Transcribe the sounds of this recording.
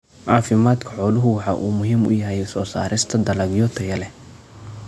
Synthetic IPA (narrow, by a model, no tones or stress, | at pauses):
ʕɑːfɪmaːd̪kʰɐ̥ħɔːlʊɦʊwɑħɑʔuːmʊɦiːmʊ̰jɐɦɛjsɔːsa̰ːɾɪst̪ʰɐd̪ɐlɐɡjɔt̪ʰɐjɐlɛ